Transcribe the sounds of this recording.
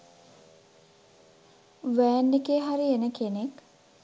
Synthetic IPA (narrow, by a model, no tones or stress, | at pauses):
ʋæːnːekeːɦaɾienəkenek